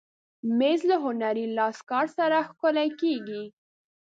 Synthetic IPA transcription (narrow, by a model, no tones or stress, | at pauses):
mezlaɦʊnaɾilɑskɑɾsaɾaxkolajkeɡi